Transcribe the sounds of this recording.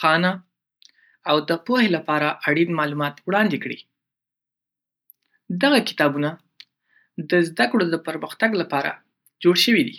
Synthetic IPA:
xɑna | awd̪əpohelapɑɾaʔaɽinmɑlumɑt̪wɽɑnd̪ekɽḭ | d̪aɣakɪ̥t̪ɑbuna | d̪əzd̪akɽod̪əpəɾməxt̪aɡlapɑɾa̰ | d͡ʒoɽʃəwid̪ḭ

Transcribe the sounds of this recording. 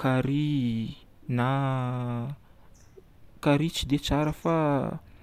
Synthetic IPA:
kaɾi | na | kaɾit͡ʃid̪et͡saɾəfa

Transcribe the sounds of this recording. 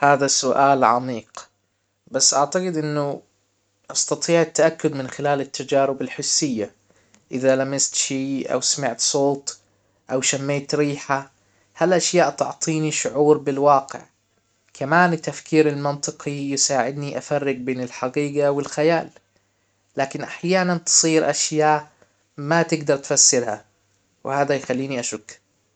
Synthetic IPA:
haːðasʊʔaːlʕɑ̰miːq | basːʔaʕt̪aɡɪd̪ʔɪnːʊ | ʔɑst̪ɑt̪ˤiːʕat̪ːaʔakːʊd̪mɪnxɪlaːlɪt̪ʰːad͡ʒaːɾɪbɪlħʊsːɪjːa | ʔɪðalamɪst̪ʃiːʔa̰wsamɪʕt̪sˤoːt̪ˤ | ʔawʃamːeːt̪ɾiːħa | halʔaʃjaːʔt̪ʊʕt̪ˤiːniʃʊʕuːɾbɪlwɑːqɪ̰ʕ | kʰamaːnɪt̪ːafkiːɾɪlmɪnt̪ˤɨqijɪsaːʕɪd̪niʔafarːɪɡ̚beːnɪlħɑɡiːɡawɪlxajaːlː | aːkɪnʔaħjaːnant̪ɨ̥sˤiːɾʔaʃjaːʔ | mat̪ɪɡd̪ɑɾˤt̪fasːɪɾha | wɪhaːd̪ajxalːiːniʔaʃʊkː

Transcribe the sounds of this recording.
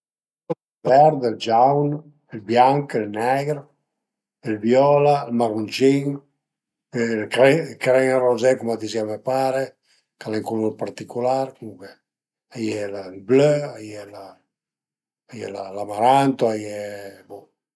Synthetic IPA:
lvɛɾd̪ɛld͡ʒawn | ɛlbjaŋkɛlnɛɡɾ | ilbjɔlalmaɾunt͡ʃiŋ | kɾɛkɾɛŋarɔzɛkumad̪iziamɛpaːɾe | kalɛŋkuluɾpaɾt̪ikulaɾkuŋkɛ | ajɛlalbløajɛla | ajɛ̰lalamaɾant̪oajɛbu

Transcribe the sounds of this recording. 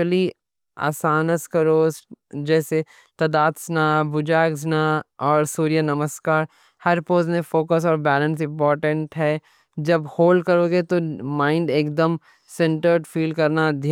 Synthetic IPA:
əli | a̰ːsaːnəskɐɾoːsd͡ʒɛːse | t̪ɐd̪aːt̪snabʊd͡ʒaːɡznaɔːɾsuːɾijənɐməskaːɾ | hɐɾpoːzmẽfoːkəs̬ɔːɾbɛːlə̃ns̬ɪ̃mpɔːɾʈə̃ɳʈɦɛː | d͡ʒɐbhoːlɖkɐɾoːɡet̪omãːɪ̃ɳɖeːkd̪əm | sɛ̃ɳʈəɾɖfiːlɖkɐɾnad̪ʱj

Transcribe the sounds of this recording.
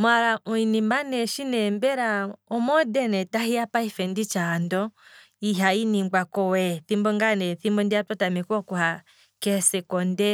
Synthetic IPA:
maɾamɔinimanɛʃinɛmbɛɾaɔmɔdɛnɛtahiapaifɛndit͡ʃandɔ | iɦainiŋɡ͡bakɔwɛθimbɔŋɡanɛθimbɔndiatɔtamɛkɔkuha | kɛsɛkɔndɛ

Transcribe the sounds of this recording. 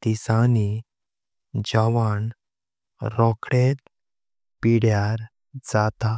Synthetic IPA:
t̪isani | d͡ʑaʋan | ɾɔkʰɽet̪̚ | piɽjaɾ | d͡zat̪a

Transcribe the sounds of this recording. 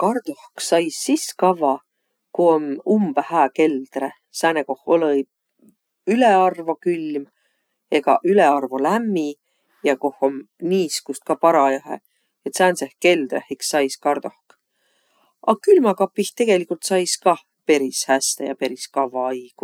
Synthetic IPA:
kɑrd̪̥ohksɑjsːiskɑvɑ | kuonumb̥æhæːke̞ld̪̥re | sæːneko̞holɤj | yleɑrvɑkylm | e̞ɡ̥ɑ̰ʔyle̞ɑrvolæmːi | jɑko̞homniːskust̪̚kɑpɑɾɑjɑɦḛ | et̪sæːnsehke̞ld̪ɾḛhiksːɑjskɑrd̪̥ohk | ʔɑ̰kylmɑkɑpːiht̪e̞ɡ̥e̞likult̪sɑjskɑ | pe̞ɾishæst̪ejɑpe̞ɾiskɑvːɑɑjɡ̥u

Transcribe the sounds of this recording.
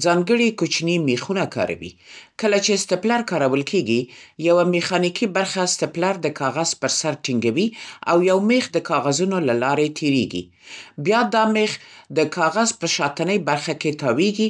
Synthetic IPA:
zɑŋɡəɽikot͡ʃnimexunakɑ̰ɾa̰wḭkəlat͡ʃest̪ɪplaɾkɑɾawəlkʰeɡijawamexɑnikʰibaɾxast̪ɪplaɾd̪əkʰɑɣazpəɾsaɾʈiŋɡawia̰wjawmexd̪əkɑɣazunolalɑɾet̪ʰeɾḛɡḭ | bjɑd̪ɑmexd̪əkʰɑɣazpəʃɑt̪ənəjbaɾxaket̪ɑweɡi

